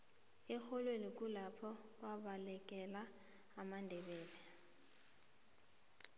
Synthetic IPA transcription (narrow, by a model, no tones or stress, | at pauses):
ɪk͡xʰɔlwenɪkʼulapʰɔ | kʼwabalɛkʼɛlaː | mandʱɛbɛːlɛ